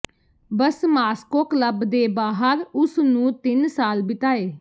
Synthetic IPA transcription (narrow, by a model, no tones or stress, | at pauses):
bəsmaːskoːkləbd̪eːbaːɦəɾʊsnũːt̪ɪnsaːlbɪt̪aːeː